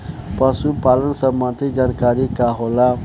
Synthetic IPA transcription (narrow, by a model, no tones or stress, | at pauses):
pasupaːlənsɐəbmãt̪ʰid͡ʒaːnkaːɾikaɦoːla